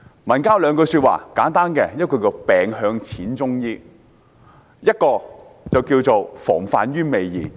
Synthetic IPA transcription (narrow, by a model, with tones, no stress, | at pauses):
mɐ˨˩nkaː˥wlœː˨˧ŋkɵ˧jsy˧t̚wa̰ː˨kaː˨˥nt̪aː˥nkɛː˧jɐ˥t̚kɔː˧kiː˧pɛː˨ŋɦœː˧ŋt͡sʰiː˨˥nt͡sʊ˥ŋjiː˥ | jɐ˥t̚kɔː˧ | t͡sɐ˨wkiː˧wt͡so˨wfɔ̰ː˨˩ŋfaː˨nɥyː˥me˨jjiː˨